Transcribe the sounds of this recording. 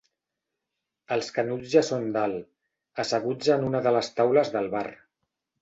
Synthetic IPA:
əlˠskənud͡zzʒasond̪al | əsəɣ̞ud͡zənunəðələst̪awləzðəlˠβar

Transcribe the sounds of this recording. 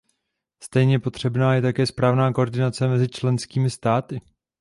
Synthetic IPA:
st̪ɛjɲɛpo̞t̪r̝̥ɛbnaːjɛt̪akɛːspɾaːvnaːko̞ʔoɾdɪnat͡sɛmɛzɪt͡ʃlɛnskiːmɪst̪aːt̪ɪ

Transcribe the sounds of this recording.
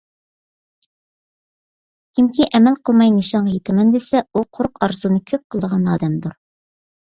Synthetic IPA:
kʰʲimkʲiʔɛmɛlqʰəlˠmɑjnɨʃɑɴʁjet̪ʰɪmɛnd̪esɛuqʰoɾʊqʰɑɾzunɨkʲʰøp̚qʰəlˠd̪əʁɑnɑ̰ːd̪ɛmd̪uɾ

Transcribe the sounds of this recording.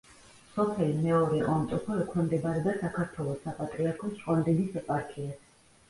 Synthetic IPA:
sɔpʰɛlimɛɔɾɛʔʼɔmt̪ʼɔpʰɔɾɛkʰnɛmd̪ɛbaɾɛd̪asakʰaɾt̪ʰwɛlˠɔsapʼat̪ʼɾiaɾkʰɔst͡ʃʼand̪inisɛpʼaɾkʰia

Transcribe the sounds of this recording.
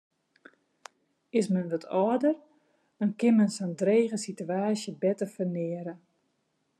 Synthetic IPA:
ɪsmənʋɔtʰɔːdər | d̥ɔnkɪnmənsɔndreːɣəsityaːsjəbɛtəfənɪəɾə

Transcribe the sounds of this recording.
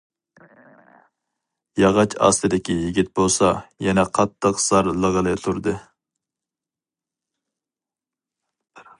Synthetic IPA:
jɑʁɑt͡ʃʰɑ̰st̪ɨd̪ɪkʲijiɡʲit̪̚bolˠsɑjɛnɛqʰɑt̪ʰːəqsɑɾlˠəʁəlˠɨt̪ʰuɾd̪ɨ

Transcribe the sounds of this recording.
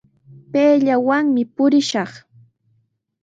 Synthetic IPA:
peːʎawaŋmɪpʊɾɪʃɑχ

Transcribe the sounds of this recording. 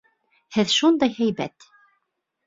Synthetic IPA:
hɘðʃund̪ɑjhæjbæ̰t̪

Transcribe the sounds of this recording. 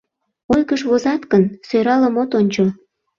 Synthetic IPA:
ojkəʃβozɑt̪kənsøɾɑləmot̪onʲt͡ɕo

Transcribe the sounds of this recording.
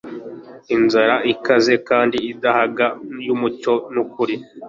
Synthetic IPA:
inzaɾaʔikaze̞kaːndiːdahaɡajumuco̞nukuɾi

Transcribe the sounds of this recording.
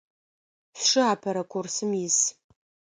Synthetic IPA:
sʂɨaːpʰɐɾɐkʷʰʊrsɨmjɪs

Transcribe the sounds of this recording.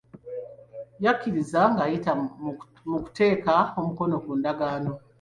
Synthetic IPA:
jakːiɾizaŋɡajita | muku̥te̞ːkaomuko̞no̞kuːndaɡaːno̞

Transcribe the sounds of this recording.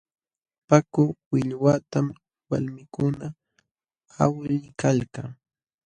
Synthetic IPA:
pakʊwɪʎwat̪am | walmɪkʊna | a̰wlʎɪkalkaŋ

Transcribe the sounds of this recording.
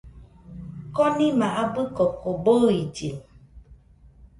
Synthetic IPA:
kɔnĩmãʔabəkɔkɔboid͡ʒi

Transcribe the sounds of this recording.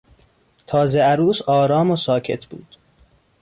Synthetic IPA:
t̪ʰɒːzeæɾuːsɒːɾɒːmosɒːcʰe̞̰t̪ʰb̥ṵːd̪̥

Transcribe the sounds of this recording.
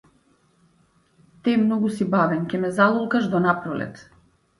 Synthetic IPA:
t̪ɛmnɔɡusibavɛncʲɛmɛzalˠulˠkaʒd̪ɔnapɾɔlɛ̰t̪

